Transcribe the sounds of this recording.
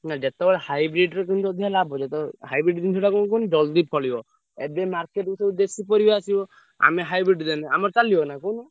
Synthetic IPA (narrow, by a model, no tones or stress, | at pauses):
nad͡ʒet̪ɔɔɾhajbɾiʈɾɔkind͡ʒ̪ɔd̪ʱijalabɔd͡ʒet̪ɔɦajbɾiʈd̪int̪ʰɔɽakunkund͡ʒɔld̪ipʰɔlibɔ | ebemaɾkeʈusebud̪esipɔɾibasibɔ | a̰meɦajbɾiʈd̪enɛa̰mɔɾt͡ʃaliɔnakɔnu